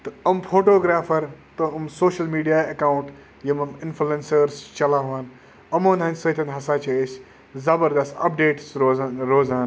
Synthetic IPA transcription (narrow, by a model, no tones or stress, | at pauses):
t̪ɨɐmfʰoːʈoːɡɾaːfʰɐɾt̪ɐɐmsoːʃɐlmiːɖijaːɐkaːwuɳʈ | jimɐmɪnfʰluensəɾst͡ʃɐlaːʋaːn | ɐmoːnɦɐnʲsɐt̪ʰɐnɦɐsaːt͡ʃɐes | zɐbɐɾd̪ɐst̪ɐ̰p̚ɖeːʈsoɾoːzaːn